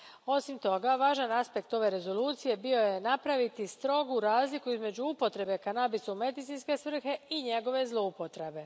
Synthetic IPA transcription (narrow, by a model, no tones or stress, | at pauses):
o̞simt̪o̞ɡaʋaːʒanaspe̞kt̪o̞ʋe̞ɾe̞zo̞luːt̪sije̞bio̞je̞napɾaʋit̪ist̪ɾo̞ɡuɾaːzlikuizme̞d͡ʑuupo̞t̪ɾe̞be̞kanabisume̞d̪it̪inske̞sʋr̩xe̞iɲe̞ɡo̞ʋe̞zlˠo̞upo̞t̪ɾe̞be̞